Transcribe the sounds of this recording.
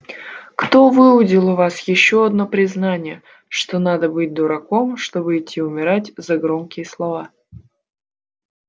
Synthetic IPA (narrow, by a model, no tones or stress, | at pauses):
kt̪o̞vɨʊdʲɪlˠʊvasjɪɕːo̞ɐd̪no̞pɾʲɪznanʲɪjə | ʂt̪o̞nad̪əbɨt̚ʲd̪ʊɾɐko̞mʂt̪o̞bɨɪtʲʰːiʊmʲɪɾatʲzɐɡɾo̞mkʲɪjəslˠɐva